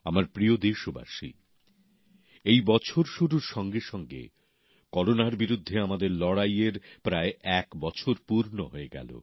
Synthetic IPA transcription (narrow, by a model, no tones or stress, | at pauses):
amaɾpɾiod̪eɾʃoba̰ʃḭ | ejbɔt͡ɕʰoɾʃuɾuɾʃɔŋɡeʃɔŋɡḛ | kɔɾonaɾbiɾud̪ʱːeamad̪eɾlɔɽajeɾpɾaeʔɛkbɔt͡ɕʰoɾpuɾnoɦoeɡɛ̰lo̰